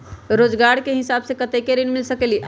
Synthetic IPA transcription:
ɾod͡ʒɡaɽkeɦisabsẽkət̪ekeɾinmilsəkeliʔ

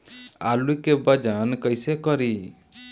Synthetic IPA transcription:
a̰lukebəd͡ʒankəjsekəɾi

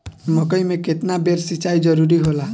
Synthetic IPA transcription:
mʌkəjmeket̪nabeɾsit͡ʃajd͡ʒʌɾuɾiɦola

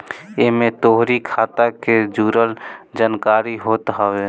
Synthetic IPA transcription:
eɦmẽt̪oːɦɾikʰaːt̪aked͡ʒuːɾəld͡ʒankaːɾiɦoːt̪ɦɔwe

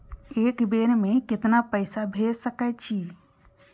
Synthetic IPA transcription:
ekbenmekɪt̪napəɪsabʱesəkət͡ʃʰi

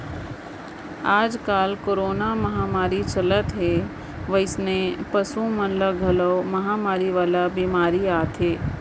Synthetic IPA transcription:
aːd͡ʒkaːlkoːɾoːnamɐɦaːmaːɾit͡ʃɐlət̪ɦe | ʋəɪsnepɐsũmɐnləɡʱɐləmɐɦaːmaːɾiʋaːlabimaːɾiaːt̪ɦeː

